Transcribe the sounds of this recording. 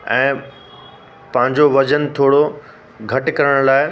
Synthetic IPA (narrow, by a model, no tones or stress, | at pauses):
ɛ̃ː | pɐ̃ɦɪ̃ɲd͡ʑoʋɐd͡ʑənt̪ʰoːɽo | ɡʱɐʈɪkɐɾəɽ̃laːɪ